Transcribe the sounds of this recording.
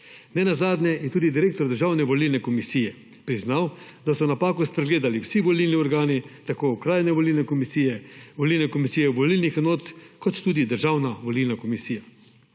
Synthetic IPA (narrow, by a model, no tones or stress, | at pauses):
nɛnazaːd̪nʲjɛjɛt̪uːd̪id̪iɾeːk̚t̪ɔɾd̪əɾʒaːwnɛʋɔlilnɛkɔmisijɛ | pɾiznawd̪asɔnapaːkuspɾɛɡleːd̪aliwsiʋɔlilniɔɾɡaːnit̪akoːʊkɾaːjnɛʋɔlilnɛkɔmisiɛʋɔlilnɛkɔmisijɛʋɔlilnixnoːt̪kɔt̪ːuːd̪id̪əɾʒawnaʋɔlilnakɔmisiːja